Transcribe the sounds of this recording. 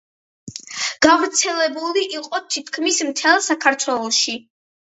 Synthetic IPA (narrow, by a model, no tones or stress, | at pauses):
ɡ̥avɾt̪sʰɛlɛbuliʔiqʼɔt̪ʰit̪ʰkʰmismt̪ʰɛlˠsakʰaɾt̪ʰwɛlˠɔʃi